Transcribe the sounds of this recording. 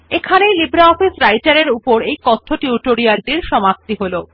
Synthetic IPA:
ekʰanejlibɾaɔfisɾajʈaɾeɾupoɾejkɔt̪ʰːoʈiuʈoɾiaɾɖiɾʃɔmap̚t̪iɦolo

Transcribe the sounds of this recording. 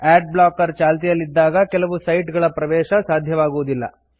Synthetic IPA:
ɛːɖ̚bɭaːkːɐɾt͡ʃaːlt̪ijɐlːid̪ːaːɡɐkɛlɐʋusɐjʈɡɐɭɐpɾɐʋɛːʃɐsaːd̪ʱjɐʋaːɡuʋud̪ilːɐ̰

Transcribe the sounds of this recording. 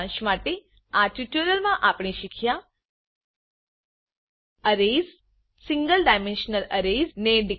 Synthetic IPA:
ʃmaʈe | aʈuʈəɾəlmãʔapɳ̃iʃikʰja | əɾez | siŋɡəlɖajmẽnʃnələɾezneɖi

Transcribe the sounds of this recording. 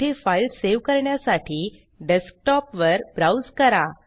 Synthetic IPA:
efailseʋkəɾɳjasaʈʰiː | ɖɛsk̚ʈɔpʋəɾbɾawd͡zkəɾa

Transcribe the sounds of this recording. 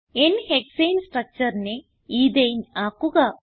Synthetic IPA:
enhekseːnsʈɾɐk̚t͡ʃɐɾne | iːd̪ejnaːkuɡɐ

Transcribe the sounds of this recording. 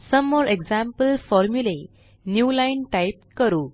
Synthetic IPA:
səmːɔɾeɡd͡zãmpəlfɔɾmjule | njuːlajnʈajip̚kəɾuː

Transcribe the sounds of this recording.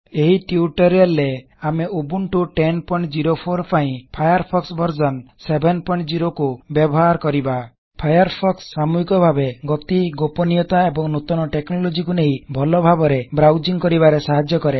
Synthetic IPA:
eɦiʈiuʈɔɾialːe | ameobuɳʈuʈenpɔĩɳʈd͡ʒiɾopʰoɾpaĩpʰajɔɾpʰɔksbʱɔɾd͡ʒɔnsebʱenpɔiɳʈd͡ʒiɾokubjɔbɔɦaɾkɔɾiba | pʰajɔɾpʰɔksːamuɦikɔbʱabeɡɔt̪iɡopɔnijɔt̪aebɔŋnut̪ɔnɔʈeknɔlod͡ʒikuneɦĩbʱɔlɔbʱabɔɾebɾawd͡ʒiŋkɔɾibaɾesaɦad͡ʒjɔkɔɾe

